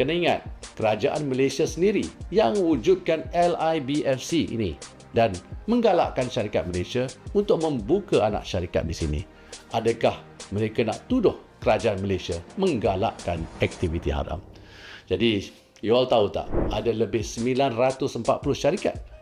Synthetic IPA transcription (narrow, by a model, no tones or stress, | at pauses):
kanaiŋa̰t̪̚kəɾad͡ʒaʔanməlesiasəndiɾijaŋwud͡ʒud̪̚kanɛlajbiʔɛfsiḭnĩ | danmə̃ŋɡala̰ʔkanʃaɾikat̪̚məlesiaunt̪ʊk̚mə̃mbukaana̰ʔʃaɾika̰t̪̚disinḭ̃ | adakah | məɾekanã̰ʔt̪udʊhkəɾad͡ʒaanməlesiamə̃ŋɡala̰ʔkanɛk̚t̪ivit̪iɦa̰ɾa̰m | d͡ʒadi | joalt̪aut̪a̰ʔadaləbɪhsəmbilanrat̪ʊsəmpat̪̚pulʊhʃaɾika̰t̪̚